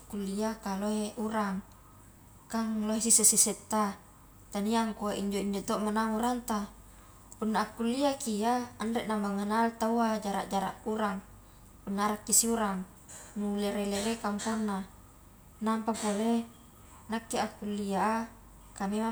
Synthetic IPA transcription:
kːulːiakaloeʔuɾaŋ | kaŋloɦesiseseset̪ːa | t̪aniaŋkuaʔiɲd͡ʒoiɲd͡ʒot̪oʔmanaŋuɾant̪a | punːaːkːulːiakiaanɾeʔnamaŋanalt̪auad͡ʒaɾa̰ʔd͡ʒaɾa̰ʔuɾaŋ | punːaaɾakːisiuɾaŋ | nuleɾeleɾekaŋpanːa | nampapole | nakːeakːulːia | kamema

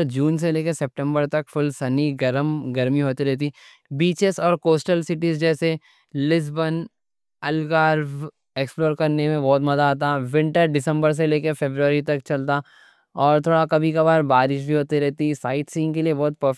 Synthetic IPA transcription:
ɾd͡ʒuːns̬eleːkesɛp̚ʈə̃mbəɾt̪ɐkfʊlsɐniɡɐɾəmɡɐɾmiɦoːt̪iɾɛɦt̪̬i | biːt͡ʃɪsɔːɾkoːsʈəlsɪʈizd͡ʒɛːse | lɪs̬bən | ɐlɡaːɾ | eːksploːɾkɐɾnemẽbɔːt̪mɐzaɦot̪aʋɪ̃ɳʈəɾɖɪsə̃mbəɾs̬eleːkefeːbɾuəɾit̪ɐkt͡ʃɐlt̪a | ɔːɾt̪ʰoːɽakɐbʱikabaːɾbaːɾɪʃbʱiɦoːt̪iɾɛɦt̪isaːɪʈsĩːŋɡkeliebɔːt̪̚pəf

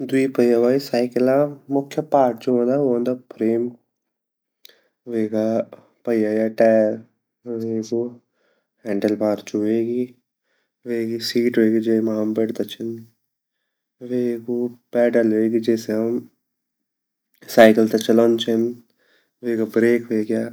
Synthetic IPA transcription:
d̪uiːpɐjaʋaːisaːjkɐlamʊkʰːjɐpaːɾʈ̚t͡ʃuond̪aoːnd̪apʰɾeːm | ʋeːɡa | pɐjajaʈɛːɾ | ʋeːɡu | hɛːɳɖɐlpaːʈt͡ʃuʋeːɡi | ʋeːɡisiːʈɦoeːɡid͡ʒeːmaːmbeɖt̪ɐt͡ʃʰɪn | ʋeːɡupɛːʈɐlɦoeːɡid͡ʒɛːseɦɐm | saːɪkəlt̪ɐt͡ʃɐloːnt͡ʃn | ʋeːɡabɾeːkʋeːɡjaː

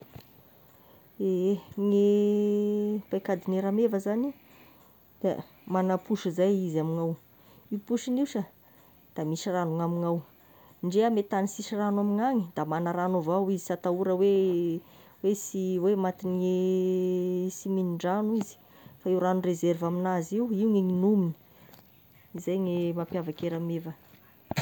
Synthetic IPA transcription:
eŋe | pajkad̪ineɾamevəzani | d̪̥a̰ | manapuʃizajizamiŋaw | ipuʃiniwʃə | d̪̥amiʃiranuŋamiŋaw | ɳɖ͡ʐeamet̪anisiʃiranwamiŋaŋid̪̥amanaɾanovawizisat̪auɾəwe | wesiwemat̪inie | siminiɳɖ͡ʐanuizi̥ | faiuɾanurezervaminaziwiuŋeŋinumini̥ | zajŋemapjavakeɾamevə

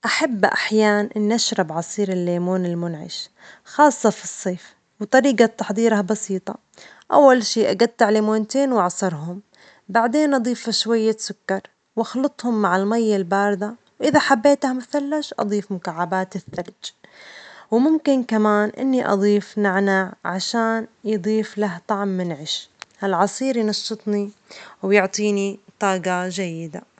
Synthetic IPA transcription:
ʔaħabːʔa̰ħjaːnʔɪnːiʔaʃɾˤɑbʕɑsˤiːɾɪlːeːmuːnɪlmʊnʕɪ̰ʃ | xɑːsˤːɑfi̥sˤːeːf | wt̪ˤɑɾiːɡat̪ːɑħd̪ˤiːɾahbɑsiːt̪ˤɑ | ʔa̰wːalʃiːʔaɡat̪ːaʕlimoːnt̪eːnwɑʕsˤɑɾˤɦʊm | baʕd̪eːnʔɑd̪ˤiːfaʃwajːasʊkːɑɾˤ | wʔɑxlɨt̪ˤhʊmːaʕɪlmajːalbaːɾd̪a | wʔɪðaħabːeːt̪hamaθalːaʃʔɑ̰d̪ˤiːfmʊkaʕːabaːt̪ɪθːald͡ʒ | wmʊmkɪnkamaːnʔɪ̰nːiʔɑ̰d̪ˤiːfnaʕnaʕʕaʃaːnjɨd̪ˤiːflaht̪ˤɑʕmːɪnʕɪʃhalʕɑsˤiːɾjnɑʃːɨt̪ˤniwjʊʕt̪ˤiːnit̪ˤɑːɡɑd͡ʒajːɪd̪a

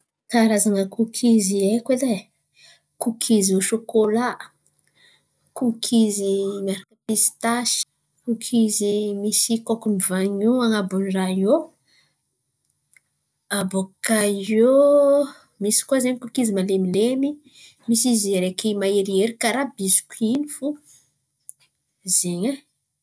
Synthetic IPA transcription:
kaɾazaŋəkukʰiziekele | kukʰizoʃokolaʔ | kukʰizimaɾakəpisi̥t̪aʃi̥ | kukʰizimisikokumivaŋuaŋabunraio | abokao | misi̥kuazeɲkukizimalemilemi | misizeɾekimaeɾieɾikaɾabizu̥kinifu | zeɲa

